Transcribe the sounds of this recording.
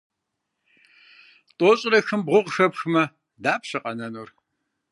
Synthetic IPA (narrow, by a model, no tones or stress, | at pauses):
tʼoːɕʼɪɾɐxɨmbʁʷʊʁxɐpxɨmɐ | daːpɕɐqʼɐnɐnur